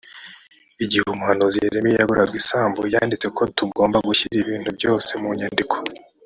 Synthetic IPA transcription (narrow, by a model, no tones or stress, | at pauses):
iɟihumuhanuzeɾemejaɡuɾʔaɡɡisaːmbojaːndit͡se̞kʰo̞tuɡo̞ːmbaɡuçiɾiβiːn̥hubjo̞ːse̞muɲandikʰo